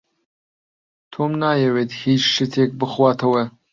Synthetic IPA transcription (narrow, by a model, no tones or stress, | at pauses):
tʰoːmnaːjɛwethiːt͡ʃʃɨtʰek̚bɨχwaːtʰɐwɐ